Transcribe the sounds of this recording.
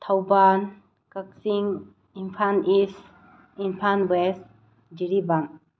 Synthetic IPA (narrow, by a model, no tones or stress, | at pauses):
t̪ʰawban | kak̚siŋ | inpʰanis | inpʰanbes | d͡ʒiɾibaŋ